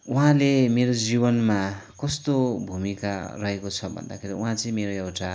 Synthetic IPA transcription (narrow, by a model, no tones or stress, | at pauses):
uɦãlemeɾod͡zibʌnmakʌst̪obʱumikarʌɦekot͡sʰʌbʱʌ̰nd̪a̰kʰeɾiuɦãt͡sʌĩmeɾoewʈa